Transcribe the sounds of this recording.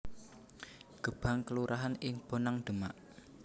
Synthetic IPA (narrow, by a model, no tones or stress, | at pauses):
ɡ̥əb̥a̤ŋkəluɾʔaɦanɪŋb̥o̤naŋɖ̪̥əmaʔ